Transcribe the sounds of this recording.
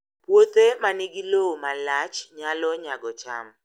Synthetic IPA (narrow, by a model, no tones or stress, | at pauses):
pwot̪ʼemaniɡilomalat͡ʃʰɲalɔɲaɡɔt͡ʃʰa̰m